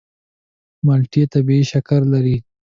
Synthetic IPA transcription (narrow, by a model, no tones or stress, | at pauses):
malʈijet̪abiiʃakaɾlaɾi